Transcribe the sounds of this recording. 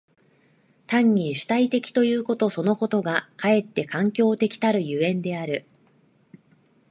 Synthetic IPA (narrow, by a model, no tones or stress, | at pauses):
t̪ãɲ̟ːiɕɨ̥t̪ait̪e̞kʲi̥t̪o̞jɯ̟ːko̞t̪o̞so̞no̞ko̞t̪o̞ɡakʰae̞t̪ːe̞kãŋkʲo̞ːt̪e̞kʲi̥t̪aɾɯ̟jɯ̟ẽ̞nd̪e̞aɾɯ̟